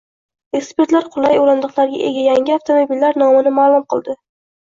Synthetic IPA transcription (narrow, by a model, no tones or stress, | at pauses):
e̞kspeɾt̪laɾqʰʊlˠajolɪnd̪ɨqlˠaɾɡʲa̰ʔe̞ɡʲajaŋɡʲɪaft̪ʰomobilːaɾnɒmɪnɪmaːlˠʊmqʰɨlˠd̪ɪ